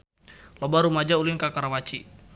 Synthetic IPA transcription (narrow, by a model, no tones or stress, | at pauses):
lɔbaɾumad͡ʒaulinkakaɾawat͡ʃi